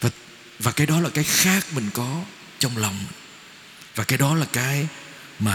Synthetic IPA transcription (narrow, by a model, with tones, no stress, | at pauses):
vaː˨˩ | vaː˨˩kaː˨˦jɗɔ˨˦laː˨˩kaː˨˦jxaː˦˥k̚mï˨˩ŋ̟kɔ˨˦ | t͡ɕɔ˧wŋ͡mlɔ˨˩wŋ͡m | vaː˨˩kaː˨˦jɗɔ˨˦laː˨˩kaː˨˦j | maː˨˩